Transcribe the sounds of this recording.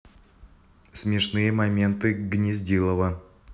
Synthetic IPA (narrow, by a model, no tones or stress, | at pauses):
sʲmʲɪʂnɨjəmɐmʲe̞nt̪ɨɡnʲɪzʲdʲilˠəvə